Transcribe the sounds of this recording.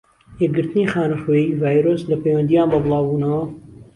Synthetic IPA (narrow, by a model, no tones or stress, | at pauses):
jɛɡɨɾt̪ɨnixaːnɨχweivaːjɾoːslɐpejwɐnd̪ijaːnbɐbɨlˠɑːbuːnɐwɐ